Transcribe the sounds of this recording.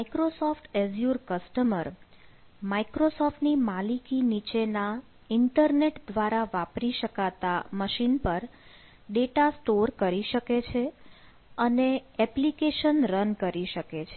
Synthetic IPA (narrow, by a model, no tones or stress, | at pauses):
mikɾosɔfʈɛzjuɾkəsʈəməɾ | maikɾosɔfʈnimalikinit͡ʃena | ɪɳʈəɾneʈd̪ʋaɾaʋapɾiʃəkat̪aməʃinpəɾ | ɖeʈasʈoɾkəɾiʃəket͡ʃʰe | əneɛplikeʃənɾənkəɾiʃəket͡ʃʰe